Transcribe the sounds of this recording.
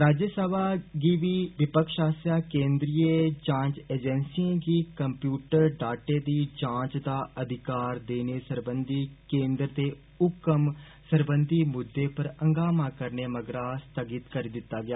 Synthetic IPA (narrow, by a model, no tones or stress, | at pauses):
ɾaːd͡ʒəsəbaːɡiːʋiːʋɪpəkʰʃaːsjaːkẽːnd̪ɾiːjet͡ʃãːɲt͡ʃeːd͡ʒɛnsiẽɡiːkəmpjuːʈəɾɖaːʈeːd̪iːt͡ʃãːt͡ʃd̪aːəd̪ʱɪkaːɾd̪eːneːsəɾbənd̪iːkẽːnd̪ɾt̪eː | ʊkːəm | səɾbənd̪iːmʊd̪ːeːpəɾəŋɡaːmãːkəɾneːməɡɾaːst̪əɡɪt̪kəɾiːd̪ɪt̪ːaːɡɪjaː